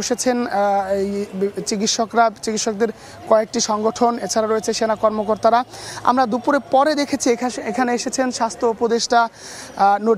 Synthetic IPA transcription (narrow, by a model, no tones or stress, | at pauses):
oʃet͡ɕʰenejt͡ɕik̬it̪ʃokɾat͡ɕikit̪ʃok̚d̪eɾ | kɔek̚ʈiʃɔŋɡoʈʰonet͡ɕʰaɾaɾojet͡ɕʰeʃenakɔɾmokoɾt̪aɾaa̰mɾad̪upuɾepɔɾed̪ekʰet͡ɕʰieekʰaneeʃet͡ɕʰenʃast̪ʰɾoupod̪eʃʈa | no